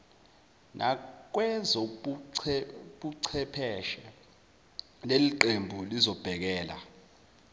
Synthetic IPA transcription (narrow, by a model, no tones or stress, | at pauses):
nʔa̰k̬wɛzɔ | ɓuǀʰɛpʰɛʃɛ | leliǃembʱulizɔb̥ʱɛk̬ɛːla̰